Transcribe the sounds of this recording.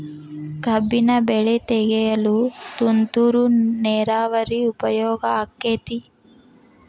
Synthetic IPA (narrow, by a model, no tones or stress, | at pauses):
ɡʱɐbːinɐbɛɭɛt̪ɛɡɛjɐlut̪unt̪uɾunɛːɾaːʋɐɾiupɐjɔːɡɐːkːeːt̪i